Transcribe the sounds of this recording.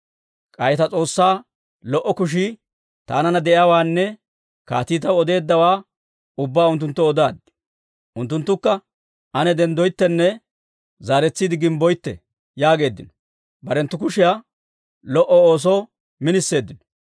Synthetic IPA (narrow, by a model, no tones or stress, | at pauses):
kʼɐjɛt̪ɐt͡sʼo̞ːsːaː | lɔʔɔkʊʃ̬i | t̪a̰ːnɐnɐd̪ɛʔjaːwaːnːɛ | ka̰ːt̪iːt̪ɐwɔd̪e̞ːd̪ːɐwaː | ʊbːaːʊnt̪̬ːʊnt̪ːɔɔd̪aːd̪ | ʔʊnt̪ːʊnt̪ːʊkːɐ | ʔɐnɛd̪ɛnd̪ɔjt̪ːɛnːɛ | zaːɾɛt͡sːid̪ɪɡɪmbɔjt̪ːɛ̰ | jaːɡe̞ːd̪ːɪnɔ̥ | bɐɾɛnt̪ːʊkʊʃɪjaː | lɔʔɔoːs̬ɔ | mɪnɪsːe̞ːd̪ːɪnɔ̥